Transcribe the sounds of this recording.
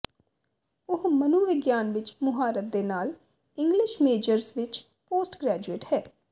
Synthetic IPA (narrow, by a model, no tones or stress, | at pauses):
ʊɦmənuʋɪɡjaːnʋɪt͡ʃmʊɦaːɾət̪̚d̪eːnaːl | ɪ̃ŋɡlɪʃmeːd͡ʒəɾzʋɪt͡ʃ | poːsʈɡɾɛːd͡ʒueːʈhɛː